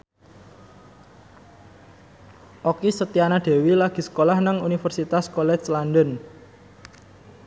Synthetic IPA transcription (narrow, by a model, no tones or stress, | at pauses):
ʔokisət̪ianaɖ̪̥e̤wilaɡ̥i̤sə̥kolahnaŋunifərsit̪askɔlɛt͡ʃland̪ən